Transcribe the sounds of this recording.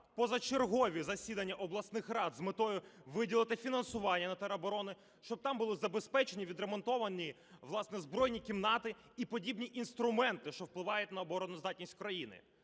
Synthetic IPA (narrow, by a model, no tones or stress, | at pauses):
pɔzɐt͡ʃerɦɔʋʲizɐsʲid̪ɐnʲːɐʔɔblˠɐsnɪxrɑd̪zmɪt̪ɔjʊʋɪdʲilˠɐt̪ɪfʲinɐnsʊʋɑnʲːɐnɐt̪ɛɾɐbɔɾɔnɪ | ʃt͡ʃɔb̚t̪ɑmbʊlˠɪzɐbespɛt͡ʃenʲiʋʲid̪ɾemɔnt̪ɔʋɐnʲi | ʋlˠɑsnɛzbɾɔjnʲikʲimnɑt̪ɪ | ipɔdʲibnʲiʔinst̪ɾʊmɛnt̪ɪʃt͡ʃɔwplˠɪʋɑjʊtʲnɐɔbɔɾɔnʊzd̪ɑt̚ʲnʲisʲtʲkɾɐjinɪ̰